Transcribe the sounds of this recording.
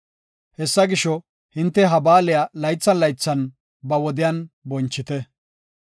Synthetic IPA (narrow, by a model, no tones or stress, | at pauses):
hɛsːɐɡɪʃɔ | hɪnt̪ːɛɦɐbaːlɪjɐlɐjt͡sːɐnlɐjt͡sːɐn | bɐwɔd̪ɪjaːnbɔnt͡ʃːɪt̪ɛ